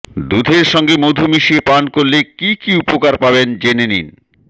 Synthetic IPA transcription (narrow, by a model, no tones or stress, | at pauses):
d̪ud̪ʱeɾʃɔŋɡemod̪ʱumiʃiepankoɾlekikiupokaɾpabend͡ʑenenḭn